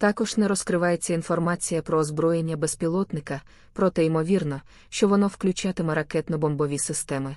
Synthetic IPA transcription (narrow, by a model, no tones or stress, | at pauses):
t̪ɑkɔʒnɛɾɔskɾɪʋɑjet͡sʲːɐinfɔrmɑt͡sʲijɐpɾɔːzbɾɔje̞nʲːɐbespʲilˠɔt̪nɪkɐ | pɾɔt̪ɛimɔʋʲirnɔ | ʃt͡ʃɔʋɔnɔwklʲʊt͡ʃɑt̪ɪmɛɾɐkɛt̪nɔbɔmbɔʋʲisɪst̪ɛmɪ